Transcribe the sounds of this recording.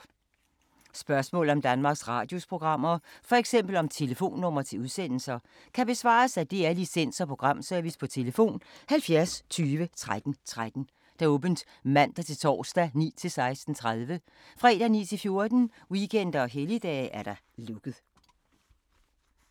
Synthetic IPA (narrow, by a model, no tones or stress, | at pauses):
sb̥ɶɐsmɔ̰̽ːl̩ˠɒ̽md̥ænmɑ̈ːɡ̥sʁɑ̈ːd̥jo̝spʰʁo̝ɡ̥ʁɑ̈m̰ɐfɒ̽eɡ̥sem̰b̥l̩ɒ̽mt͡sʰe̝ləfo̝̰ːnːɔ̽m̰ɐt͡sʰe̝uðˠsen̰l̩sɐ | kʰæb̥e̝sʋɑ̰̈ːsæd̥e̝æɐlisen̰sɐpʰo̝ɡ̥ʁɑ̈m̰seɐʋispʰɒ̽t͡sʰe̝ləfo̝̰ːnhælfjæɐst͡sʰyːʋət͡sʰʁad̥n̩t͡sʰʁad̥n̩ | d̥ɑ̈ɔ̽ːb̥ən̩d̥ | mæn̰d̥ɑt͡sʰe̝lt͡sʰɒ̰ːsd̥ænḭːt͡sʰe̝lsɑ̈ɪsd̥n̩t͡sʰʁaðˠʋə | fʁɛ̰ːd̥ænḭːt͡sʰe̝lfjo̝ɐd̥n̩ | wikʰen̰d̥ɐɒ̽ɦelid̥ɛ̰ːʔæɐɾ̥ɑ̈ | lɔ̽ɡ̥ð̩ˠ